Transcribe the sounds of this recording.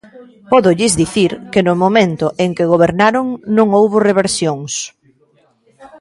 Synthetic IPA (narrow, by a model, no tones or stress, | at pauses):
pɔðʊʎɪzd̪iθiɾkɪnʊmomẽnt̪ʊʔeŋkɪɣoβ̞eɾnaɾoŋnõŋowβʊreβeɾsjoŋs